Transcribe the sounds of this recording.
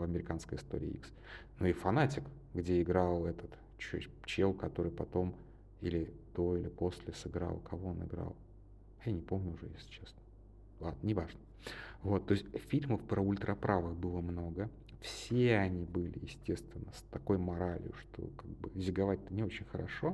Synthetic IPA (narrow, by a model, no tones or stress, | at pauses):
vɐmʲɪɾʲɪkanskəjɪst̪o̞ɾʲɪ̰ːḭks | nuɪfɐnatʲɪk | ɡdʲe̞ɪɡɾɑlˠɛt̪ət̪ | t͡ɕʊt͡ɕelˠkɐt̪o̞ɾɨjpɐt̪o̞m | ilʲɪd̪̥o̞ilʲɪpo̞sʲlʲɪsɨɡɾa̰lˠkʰɐvo̞onɪ̰ɡɾa̰lˠ | ɐjanʲɪpo̞mnʲʊʊʐɛjḛsʲlʲɪt͡ɕe̞snə | lˠad̪nənʲɪvaʐnə | vo̞t̪ːo̞sʲtʲfʲilʲməfpɾəʊlʲt̪ɾɐpɾʔavɨxbɨlˠəmno̞ɡə | fsʲeɐnʲibɨlʲɪ̰jɪ̰sʲtʲe̞st̪vʲɪnːəst̪ɐko̞jmɐɾalʲɪ̰jʊʂt̪ʰo̰kaɡ̚bɨzʲɪɡɐvat̚ʲt̪ənʲɪo̞t͡ɕɪnʲxəɾɐ̰ʂo̞